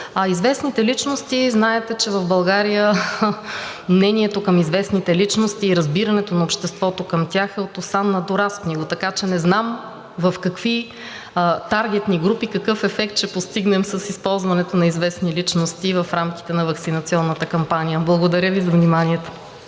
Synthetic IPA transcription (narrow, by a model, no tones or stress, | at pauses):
izvɛsnit̪ɛlit͡ʃnost̪iznaɛt̪ɛt͡ʃɛvɐvbɐlˠɡaɾijə | mnɛniɛt̪okəmizvɛsnit̪ɛlit͡ʃnost̪iːɾɐzbiɾɐnɛt̪onɐopʃt̪ɛst̪vɔt̪okɐmt̪ʲaxɛot̪osanːɐd̪oɾaskniɡot̪ɐkat͡ʃɛnɛznam | vɐfkɐkv̥i | t̪aɾɡʲɛt̪niɡɾupikɐkɤfɛfɛk̚t̪̚t͡ʃɛpost̪iɡnɛmsəsispɔlˠzvɐnɛt̪onɐizvɛsnilit͡ʃnost̪ivɐfɾamkʲi̥t̪ɛnɐvɐksinɐt̪siɔnːət̪əkɐmpanijəblˠɐɡod̪ɐɾʲəvizɐvnimaniɛt̪o̥